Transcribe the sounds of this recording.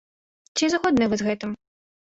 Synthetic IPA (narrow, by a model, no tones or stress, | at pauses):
t͡sʲizɣɔd̪nɨvɨzɣɛt̪ɨm